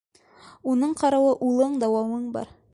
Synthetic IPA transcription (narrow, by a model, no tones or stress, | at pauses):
unɤɴqɑɾɑwɤʔulˠɤɴd̪ɑwɑwɤɴbɑ̰ɾ